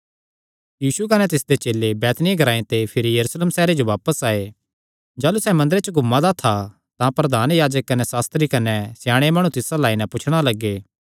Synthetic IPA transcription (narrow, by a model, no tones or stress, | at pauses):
jiːsuk̬ɐnɛt̪ɪsd̪et͡ʃeːlːebɛːt̪nɪẽɡʱɐɾaːẽt̪epʰɪɾijɐɾuːsleːmsɛːɾed͡ʒoʋaːpəsaːe | d͡ʒaːlusɛmɐ̃nd̪əɾet͡ʃəɡʱʊmːãd̪at̪ʰa | t̪ãpɾɐd̪ʱaːnjaːd͡ʒəkːɐnɛsaːst̪ɾikɐnɛsɪjãːɽ̃emaːɽ̃ũt̪ɪsalaːinɛ̃pʊt͡ʃʰɽ̃alɐɡːeː